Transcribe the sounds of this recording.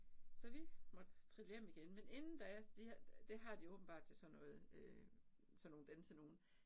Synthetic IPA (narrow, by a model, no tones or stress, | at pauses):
sɒ̽ʋimɒ̽d̥t͡sʰʁile̝ɐ̥miɡ̥enmene̝nn̩d̥ɑ̈æɐsd̥id̥e̝ɦɑ̈d̥iɔ̽ːb̥n̩b̥ɑ̈ːd̥̚t͡sʰe̝sɒ̽nːɔ̽ːð̞̩ˠø | sɒno̝ːn̩d̥ensʰeno̝ːn̩